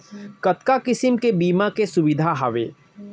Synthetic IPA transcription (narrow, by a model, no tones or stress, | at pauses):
kɐt̪kakɪsɪmkebiːmakesʊbɪd̪ʱaɦaʋḛː